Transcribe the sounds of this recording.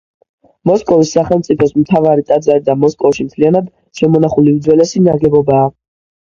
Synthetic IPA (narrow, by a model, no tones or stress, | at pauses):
mɔskʼɔvisːaχɛlˠmt̪sʼipʰɔsmt̪ʰavaɾit̪ʼad̪zaɾid̪amɔskʼɔvʃimt̪ʰlianad̪ | ʃɛmɔnaχuliud̪zwɛlɛsinaɾɡɛbɔbaː